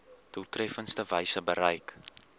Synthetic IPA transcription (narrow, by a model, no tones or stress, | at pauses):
d̥ulˠtrɛfənstəvəjsəbəɾəjk